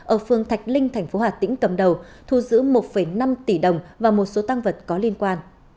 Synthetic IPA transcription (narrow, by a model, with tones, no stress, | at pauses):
ʔəː˧˩fɨ˨˩əŋt̪ʰa˨˩jk̟̚lï˧ŋ̟t̪ʰɛ˨˩jŋ̟fo˨˦haː˨˩t̪ḭ̈˧˥ŋ̟kə˨˩mɗə˨˩w | t̪ʰu˧˩zɨ̰˧˥mo˨˩t̚fə˧˩jna˧mt̪i˧˩ɗə˨˩wŋ͡mvaː˨˩mo˨˩t̚so˨˦t̪a˧ŋvə˨˩t̚kɔ˨˦li˧ənkwaː˧n